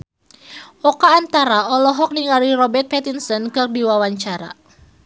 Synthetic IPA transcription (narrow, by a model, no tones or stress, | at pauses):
ʔɔkaːnt̪aɾaɔlɔɦɔk̚niŋalirɔbɛrt̪̚pɛt̪insɔnkɨrdiwawaɲt͡ʃaɾa̰